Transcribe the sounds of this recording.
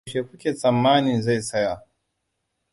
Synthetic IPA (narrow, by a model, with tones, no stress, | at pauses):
ʃeː˨kʷu˦kʲeː˨t͡sʼɐ˨mːaː˦ni˨za˦˨jsɐ˦ja˨